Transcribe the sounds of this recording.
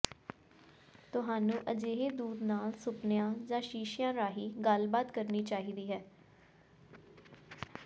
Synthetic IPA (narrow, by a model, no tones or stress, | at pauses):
t̪ʊɦaːnũːʔəd͡ʒeːɦeːd̪uːd̪naːlsʊpnɪjãːd͡ʒãːʃiːʃɪjãːɾaːɦiːɡəlbaːt̪kəɾniːt͡ʃaːɦiːd̪iːɦɛː